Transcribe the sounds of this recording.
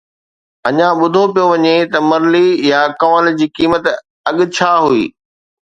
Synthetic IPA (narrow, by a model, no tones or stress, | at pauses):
ɐɲãɓʊd̪ʱopijoʋɐɲet̪ɐmɐɾlijakɐʋəld͡ʑiːkiːmət̪ | ɐɠʊ̆t͡ɕʰaːɦuḭː